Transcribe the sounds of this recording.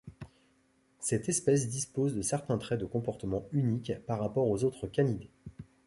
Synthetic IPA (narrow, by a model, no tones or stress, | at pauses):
sɛt̪ɛspɛs̬d̪ispozd̪əsɛʁt̪ɛ̃t̪χɛd̪əkɔ̃pɔʁt̪əmɑ̃ynikpaʁːapɔʁozot̪χəkʲanid̪e